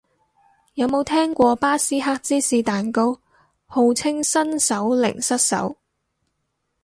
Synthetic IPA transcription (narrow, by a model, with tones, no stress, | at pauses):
jɐ˨˧wmo˨˧wt̪ʰɛː˥ŋkʷɔː˧paː˥siː˥ɦaː˥k̚t͡siː˥siː˧t̪aː˨nko˥w | ho˨˧wt͡sʰɪ˥ŋsɐ˥nsɐ˨˥wlɪ̰˨˩ŋsɐ˥t̚sɐ̰˨˥w